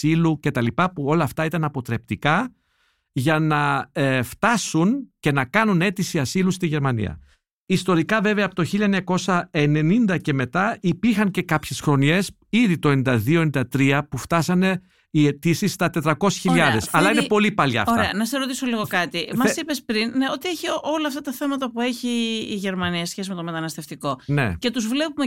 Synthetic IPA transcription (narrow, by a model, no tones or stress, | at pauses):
iluce̞t̪ɐlipɐpuo̞lɐːft̪ɐit̪ɐnɐpo̞t̪ɾe̞pt̪ikɐ | ʝɐnɐft̪ɐsunce̞nɐkɐnune̞t̪isiɐsilust̪iʝe̞ɾmɐnḭɐ̰ | ist̪o̞ɾikɐve̞ve̞ɐːpo̞t̪o̞çilʎɐeɲɐko̞sɐe̞ne̞nind̪ɐce̞me̞t̪ɐipiɾxɐnce̞kɐpçe̞sxɾo̞ne̞s | iðit̪o̞e̞nind̪ɐðioenind̪ɐt̪ɾiɐpuft̪ɐsɐne̞ | ie̞t̪isist̪ɐt̪e̞t̪ɾɐko̞se̥sçiʎɐðe̞sɐlɐinepo̞lipɐlɐ̰ɐ̰tɾɐeɐnɐseɾo̞t̪iso̞liɣo̞fkɐt̪imɐsipespɾinːeo̞t̪ieçio̞lɐːft̪ɐt̪ɐθe̞mɐt̪ɐpue̞çiːʝe̞ɾmɐniɐsçesimet̪o̞met̪ɐnɐst̪eft̪iko̞ne̞̰ce̞t̪uzvle̞pume